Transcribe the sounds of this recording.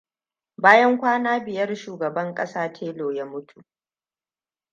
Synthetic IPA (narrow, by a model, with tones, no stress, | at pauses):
baː˦jɐ˦ŋkʷaː˦naː˦bɪ˨jɐ˦rʃuː˨ɡɐ˨bɐ˦ŋkʼɐ˦saː˦tʰeː˦loː˨jaː˦mʊ˦tʰu˨ʔ